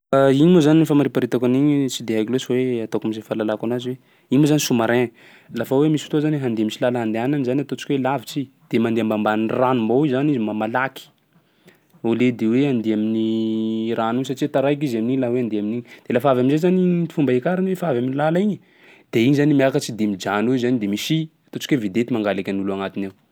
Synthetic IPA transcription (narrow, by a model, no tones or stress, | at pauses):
aiɲimozaninifamaɾipaɾit̪akaniɲit͡sid̪eɦajkilesoweat̪okamizefalalakanaziwe | iɲmozanisumaɾeɲ | lafawemisi̥fit̪ozanweɦand̪eamisilalaɦand̪eananizanat̪ot͡ʃi̥kʲwelavit͡sid̪̥emand̪eambambanranumboizanizimamalaki̥ | oled̪eweand̪eamini | ranus̬at͡ʃiwet̪aɾajk̬izaminiɲlaweand̪eaminiɲd̪̥elafavaminzezaniit̪i̥fumbaekaɾanwefavaminilalaiɲə | d̪̥eiɲizanimiakət͡ʃid̪emid͡ʒanuzanid̪emisiat̪ot͡ʃi̥kwevid̪et̪imaŋɡalekʲanuluaŋat̪inew